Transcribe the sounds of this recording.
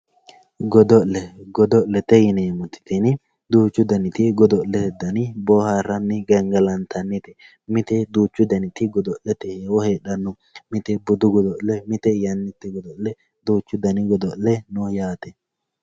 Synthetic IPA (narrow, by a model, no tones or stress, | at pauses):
ɡɔd̪ɔllːɛɡɔd̪ɔʔlːɛt̪ɛjɪneːmʊt̪ɪ̥t̪ɪnɪ | d̪uːt͡ʃːʊd̪ɐnɪt̪ɪɡɔd̪ɔlɛt̪ɛd̪ɐnɪbɔːhaːrɐnːɪɡɛŋɡɐlɐnt̪ɐnːɛt̪ɛ | mɪt̪ɛd̪uːt͡ʃːʊd̪ɐnɪt̪ɪɡɔd̪ɔllɛt̪ɛhewɔheːɗɐnːʊ | mɪt̪ɛbʊd̪ʊɡɔd̪ɔʔlːɛmɪt̪ɛjɐnːɪt̪ːɛɡɔd̪ɔlɛ | d̪uːt͡ʃːʊd̪ɐnɪɡɔd̪ɔlːɛnɔjaːt̪ɛ